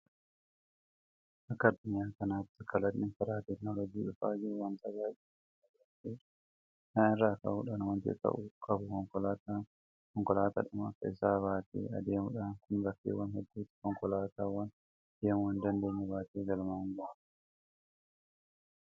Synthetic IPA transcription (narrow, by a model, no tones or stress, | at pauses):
ʔɐkːɐɐd̪ːʊɲjaːkɐnaːft̪ɪkʰɐlɐtnɪnfɐɾaːt̪ɛknɔlɔd͡ʒiːᶑʊfaːd͡ʒɪɾʊwɐnt̪ɐɡaːʔɛ | ɐɐteː | naːʔɪrːaːkɐ̰ʔuːᶑaːnwɐnt̪ɪ̰t̪ɐ̰ʔʊkʼɐbʊkɔŋkɔlat̪a | kɔŋkɔlaːt̪a̰ᶑʊmɐ̰kːɐɪsaːβaːt̪ḛːɐ̰d̪eːmʊᶑaːnkʊnbɐkːḛːwɐnhɛd̪ːuːt̪ɪ̥kɔŋkɔlaːt̪aːwɐn | d̪̥eːmʊwɐnd̪ɐnd̪eːɲːɛbaːt̪eːɡɐlmaːŋɡɔʔḁ